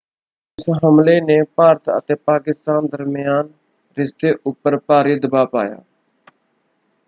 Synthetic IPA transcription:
ɪsɦəmleːneːpaːɾt̪ʰə̰t̪eːpaːkɪst̪aːnd̪əɾmɪjaːn | ɾɪst̪eːʔʊpːəɾpaːɾiːd̪əbaːpa̰ːja̰ː

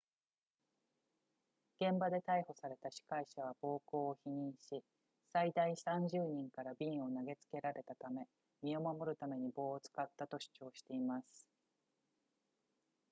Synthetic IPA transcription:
ɡ̥ẽ̞mbad̪e̞t̪aiho̞saɾe̞t̪aɕi̥kaiɕaβ̞ab̥o̞ːko̞ːçiɲ̟ĩɰ̃ɕi | said̪aisãɲ̟d͡ʑɨːɲ̟ĩŋkaɾabʲĩo̞naɡe̞t͡sɨ̥ke̞ɾaɾe̞t̪at̪ame̞ | mʲio̞mamo̞ɾɯ̟t̪ame̞ɲ̟ibo̞ːt͡sɨ̥kat̪ːat̪o̞ɕɨ̥t͡ɕo̞ːɕi̥t̪e̞imasɨ̥

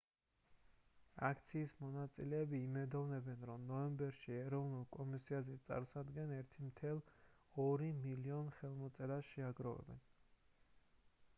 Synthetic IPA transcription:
a̰kʰt̪sʰiːsmɔnat̪sʼilɛːbiːmɛd̪ɔvnɛbɛnɾɔmnɔɛmbɛɾʃiɛɾɔvnulˠkʼɔmisiazɛt̪sʼa̰ɾsad̪ɡɛnɛɾt̪ʰimt̪ʰɛlˠ | ɔɾimiliɔnχɛlˠmɔt̪sʼɛɾaʃɛaɡɾɔvɛ̰bɛ̰n

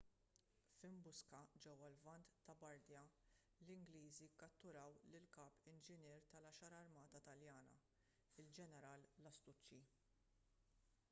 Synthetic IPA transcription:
fɪmbʊskɐd͡ʒɛwːɐlvɐnt̪ːɐbɐɾd̪jɐ | lɪŋɡliːzikɐt̪ːʊɾɐwlɪlkɐːpɪnd͡ʒɪnɛːɾt̪ɐlɐʃɐɾɐɾmɐːt̪ɐt̪ɐljɐːnɐ̰ | ɪld͡ʒɛnɛɾɐːlːɐst̪ʊt͡ʃːi

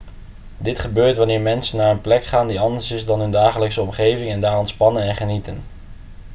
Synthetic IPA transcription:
dɪtχəbøːɹtʋɑnɪːɹmɛnsənːaːɹənplɛkχaːndiɑndəɹsɪzdɑnɦɵndaːχələksəɔmχejvɪŋɛndaːrɔntspɑnənɛnχənitən

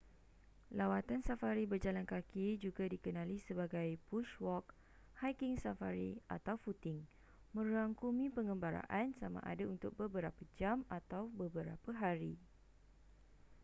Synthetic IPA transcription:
lawat̪ansafaɾibərd͡ʒalankakid͡ʒuɡadikənãlisəbaɡajpuʃwɔk | hajkɪŋsafaɾia̰t̪awfut̪ɪŋ | mə̃ɾaŋkumĩpəŋɡəmbaɾa̰ʔansamã̰ʔa̰daunt̪ʊk̚bəbəɾapad͡ʒamat̪awbəbəɾa̰paɦaɾi

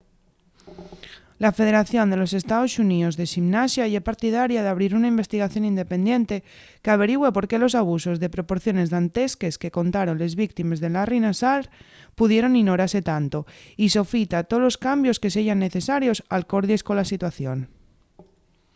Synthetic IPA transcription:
lafe̞ð̞e̞ɾaθjo̞nd̪e̞lo̞se̞st̪aðo̞sunio̞zðe̞ʃimnasjajepaɾt̪ið̞aɾjaðeaβ̞ɾiɾunaimbe̞st̪iɣ̞aθjo̞nind̪e̞pe̞nd̪je̞nt̪e̞ | keaβ̞e̞ɾiɣwepo̞ɾke̞lo̞saβ̞uso̞zðe̞pɾo̞poɾθjo̞ne̞zðant̪e̞ske̞ske̞ko̞nt̪aɾo̞nle̞zβik̚t̪ime̞zðe̞larinasaɾ | puðje̞ɾo̞niɣno̞ɾaɾse̞t̪ant̪o̞iso̞fit̪at̪olo̞skambjo̞ske̞s̬eʝanːe̞θe̞saɾjo̞salko̞ɾðjesko̞nlasit̪waθjo̞n

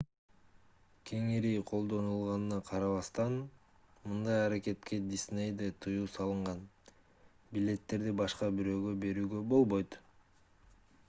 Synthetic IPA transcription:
kʰe̞ŋiɾijqʰo̞lˠd̪o̞nulˠʁɑnɯnɑqʰɑɾɑβɑst̪ɑn | mɯnd̪ɑjɑɾake̞t̪ke̞d̪ʲisne̞jd̪et̪ʰɯjuːsɑlˠɯɴʁɑn | bilʲe̞t̪ːe̞ɾd̪ibɑʃqɑbiɾø̞ːɡø̞be̞ɾyːɡø̞bo̞lˠbo̞jt̪

